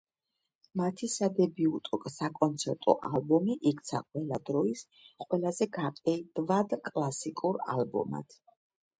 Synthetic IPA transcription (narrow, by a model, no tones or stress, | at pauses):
mat̪ʰisad̪ɛbiut̪ʼɔkʼsakʼɔnt̪sʰɛɾt̪ʼɔ̰ʔa̰lˠbɔmiʔikʰt̪sʰa̰qʼwɛlad̪ɾɔis | qʼwɛlazɛɡapʼɛd̪vad̪kʼlˠasikʼuɾa̰lˠbɔ̰ma̰t̪ʰ